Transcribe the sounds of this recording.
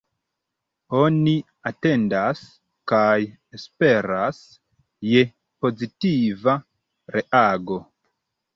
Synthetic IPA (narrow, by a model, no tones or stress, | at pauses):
o̞ni | ate̞ndas | kaj | espe̞ɾas | je̞ | po̞zitiva | ɾe̞ʔaɡo̞